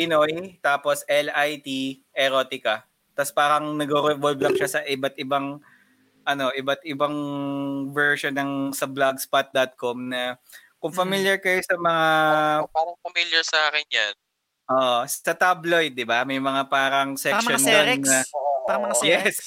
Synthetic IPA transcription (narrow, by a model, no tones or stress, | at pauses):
pɪnojt̪aːpo̞sʔɛlajt̪i | ʔɛɾoːt̪ɪkɐ | t̪ɐspaːɾɐŋnɐɡoɾoboblɐk̚ʃasɐʔɪbɐt̪̚ʔɪbaŋ | ʔɐno̞ʔɪbɐt̪ʔɪbaŋ | vɛɹʃonɐŋsɐblaɡspat̪̚d̪at̪̚komnɐkʊŋfɐmiljɐɹkɐjosɐmɐŋaaɾɐŋfɐmiljɐɹsɐʔaːkɛnd͡ʒan | ʔoʔːɐt̪abloj̚d̪ɪbamɐjmɐŋapaːɾɐŋsɛʃonaɾɐɐmɐajɛs